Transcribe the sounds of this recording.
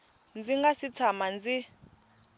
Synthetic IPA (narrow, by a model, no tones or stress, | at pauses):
nd͡ziŋɡasit͡sʰamand͡zi